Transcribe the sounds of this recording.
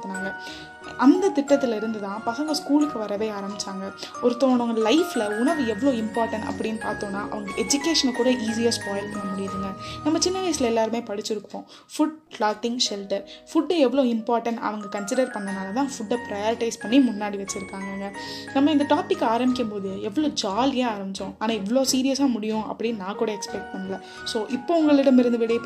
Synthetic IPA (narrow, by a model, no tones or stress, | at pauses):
t̪ːɯnaːŋɡɐ | ʔɐnd̪ɐt̪ɪʈːɐt̪ːɪlɪɾɯnd̪ɯt̪ãːpɐsɐŋɡɐskuːlɯkːɯʋɐɾɐʋeːaːɾɐmɪt͡ʃːaːŋɡɐ | ɔɾɯt̪oːɳõːŋɡɐlɐɪfɪlɐʊɳɐʋɯɛʋːɐɭoːɪmpaːɾʈɐɳʈɐ̰pːɐɽɪjnːɯpaːɾt̪õːnːaːʔɐ̰ʋɐŋɡɐʔɛd͡ʒʊkeːʂɐnkuːɽɐʔiːs̬ɪjɐɾspaːjɐlpɐɳːɐmʊɽɪjɐðɯŋɡɐnɐmːɐt͡ʃɪnːɐʋɐɪsɪlɐɛlːaːɾɯmeːpɐɽɯt͡ʃːɪɾɯkːõː | fʊɖpɭaːʈːɪŋɡʃɛlʈɐɾfʊɖːɛʋːɐɭoːɪmpaːɾʈɐɳʈɐ̰ʋɐŋɡɐkɐnsɪɽɐɾpɐɳːɐnaːlɐt̪ãːfʊɖːɐpɪɾɐjoːɾɪʈɐɪspɐɳːimʊnːaːɽiʋɐt͡ʃːɪɾɯkːaːŋɡɐŋɡɐnɐmːɐɪnd̪ɐʈaːpɪkːaːɾɐmɪk̬ʲːɐmpoːðɯɛʋːɐɭoːd͡ʒaːljeːaːɾɐmɪt͡ʃːõaːnaːɛʋːɐɭoːsiːɾɪjɐsaːmʊɽɪjʊ̃ʔɐ̰pːɐɽɪnnãːkuːɽɐɛkspɛk̚ʈ̚pɐnːɐlɐ | soːʔɪpːoːʊŋɡɐɭɪɽɐmɪɾɯnd̪ɯʋɪɽɐ